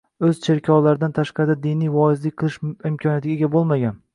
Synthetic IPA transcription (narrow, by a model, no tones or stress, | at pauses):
ɵz̥t͡ʃʰe̞ɾkʲʰɒwlaɾɪd̪ant̪ʰaʃqɑɾɪd̪ad̪ɪnijvɒɪzlɪk̚ʲqʰɨlˠɪʃɪmkʲʰɒnjat̪ʰɪɡʲaeɡʲabolˠmaɡʲan